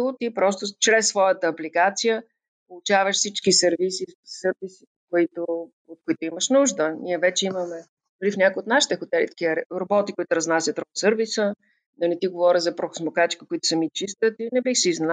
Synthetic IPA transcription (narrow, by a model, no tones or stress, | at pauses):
t̪ipɾɔst̪ʊt͡ʃɾɛsːvɔjət̪əːbliɡat̪sijə | polˠʊt͡ʃavəʃsit͡ʃkisɛɾvisisəɾvisi̥ | koit̪ʊ | ot̪̚kʊit̪ʊiməʃnuʒd̪ənʲiɛvɛt͡ʃɛiməmɛ | d̪̥ʊɾifnʲakojot̪naʃi̥t̪ɛxʊt̪ɛlʲḭt̪ə̥kiəɾɾobɔt̪ikoit̪ʊɾɐznasʲət̪ɾot̪səɾvisə | d̪ɐnɛt̪iɡovɔɾʲəzɐpɾoxo̥smokat͡ʃi̥kəkʊit̪ʊ̥sɛmit͡ʃist̪ət̪inɛbixsiːzn